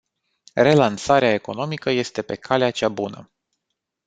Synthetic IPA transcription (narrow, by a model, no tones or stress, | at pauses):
re̞lansaɾeae̞ko̞no̞mikəje̞st̪e̞pe̞kʰaleat͡ʃabunə̰